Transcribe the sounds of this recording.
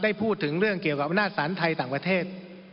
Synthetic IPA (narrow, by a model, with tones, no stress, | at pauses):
da˥˩jpʰuː˥˩t̪ʰːɯ˩˦ŋɾɯ˥˩əŋki˨˩əwka˨˩p̚ʔa˧naː˥˩t̪̚saː˩˦nt̪ʰa˧jt̪aː˨˩ŋpɾa˧t̪ʰeː˥˩t̪̚